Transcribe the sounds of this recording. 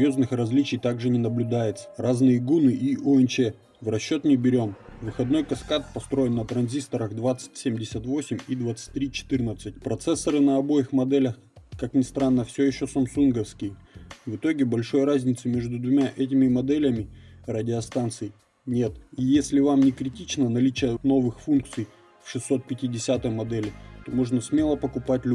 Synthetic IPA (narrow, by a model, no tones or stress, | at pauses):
jo̞znɨxrɐzʲlʲit͡ɕɪjt̪aɡʐɨnʲɪnəblʲʊd̪ajɪt̪sə̥raznɨjəɡunɨʔiʔʊɛnt͡ɕɛ | vrɐɕːo̞t̪nʲɪbʲɪɾʲo̞mvɨxɐd̪no̞jkɐskat̪̚pɐst̪ɾo̞jɪnːət̪ɾɐnzʲist̪əɾəxd̪vat̪sɨ̥t̚ʲsʲemʲdʲɪsʲət̪vo̞sʲɪmʲid̪vat̪sɨ̥t̚ʲt̪ːɾʲit͡ɕɪ̥t̪ɨrnət̪sɨtʲpɾɐt̪sɛsːəɾɨnɐɐbo̞jɪxmɐd̪ɛlʲɐx | kaknʲɪst̪ɾanːəfsʲɵjɪɕːosɐmsunɡəfskʲɪjvɨt̪o̞ɡʲɪbɐlʲʂo̞jrazʲnʲɪt̪sɨmʲe̞ʐd̪ʊd̪vʊmʲaʔɛt̬ʲɪmʲɪmɐd̪ɛlʲəmʲɪrɐdʲɪɐst̪ant̪sɨj | nʲe̞t̪ijesʲlʲɪvamnʲɪkɾʲɪtʲit͡ɕnənɐlʲit͡ɕɪjəno̞vɨxfunk̚t̪sɨj | fʲʂɨsːo̞t̪̚pʲɪtʲɪdʲɪsʲat̪əjmɐd̪ɛlʲɪt̪o̞mo̞ʐnəsmʲe̞lˠəpəkʊpatʲlʲ